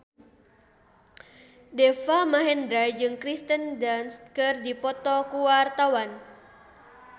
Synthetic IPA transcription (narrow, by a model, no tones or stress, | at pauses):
dɛfamaɦɛndɾad͡ʒɨŋkɾist̪əndanst̪̚kərdipɔt̪ɔkuwart̪awan